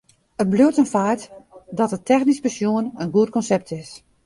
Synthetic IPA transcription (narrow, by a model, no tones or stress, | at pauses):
ət̚bløətənfaːrtdɔtətʰɛxnispəsjuənənɡuətkɔnsɛp̚tʰɪs